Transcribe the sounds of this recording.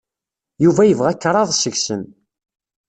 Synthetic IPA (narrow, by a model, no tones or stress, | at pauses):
juvæjəvʁækːɾˤɑðˤsəɣsən